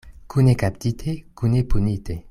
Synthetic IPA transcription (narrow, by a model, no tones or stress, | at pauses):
kʰunekap̚t̪it̪ʰekunepunit̪e